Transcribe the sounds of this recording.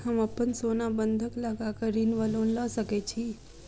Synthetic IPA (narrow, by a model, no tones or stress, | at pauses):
ɦəməpːənsonabənd̪ʱəkləɡakəɾinʋəlonləʃəket͡ʃʰi